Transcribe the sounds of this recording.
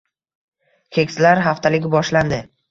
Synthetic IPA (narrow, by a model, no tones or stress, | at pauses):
kʲʰekʲsɪlaɾɦaft̪ʰalɪɡʲbɒʃland̪ɪ